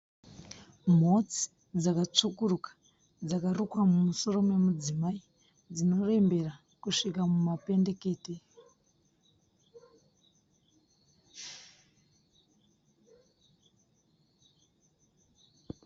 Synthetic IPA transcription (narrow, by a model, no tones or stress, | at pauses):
m̤o̞t͡si̥ | d͡zakat͡ʂukurukḁ | d͡zakarukwamumuso̞ro̞mwe̞mud͡zimai | d͡zino̞re̞mbe̞ra | kuʂikamumape̞nde̞ke̞ːte